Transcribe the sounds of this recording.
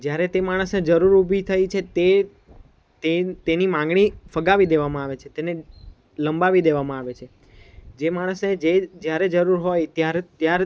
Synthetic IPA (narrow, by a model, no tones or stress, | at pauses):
d͡ʒjaɾet̪emaɽ̃əsned͡ʒəɾuɾubʱit̪ʰəjt͡ʃʰet̪e | t̪et̪enimãŋɡɽ̃ifəɡaʋid̪eʋamãaʋet͡ʃʰet̪ene | ləmbaʋid̪eʋamãaʋet͡ʃʰe | d͡ʒemaɽ̃əsned͡ʒed͡ʒjaɾed͡ʒəɾuɾɦojt̪jaɾt̪jaɾ